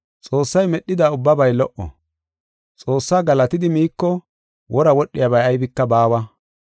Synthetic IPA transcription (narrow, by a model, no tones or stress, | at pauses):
t͡sʼo̞ːsːɐjmɛɗːɪd̪aːʊbːɐbɐjlɔʔɔ̰ | t͡sʼo̞ːsːaːɡɐlɐt̪ɪd̪ɪmiːkːɔ | wʔɔɾɐwɔɗːɪjɐbɐjɐjbɪkːɐbaːwɐ